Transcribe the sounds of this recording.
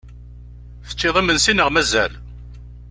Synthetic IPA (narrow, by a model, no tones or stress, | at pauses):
θə̥t͡ʃːɪðˤimənsinəʁmæzæl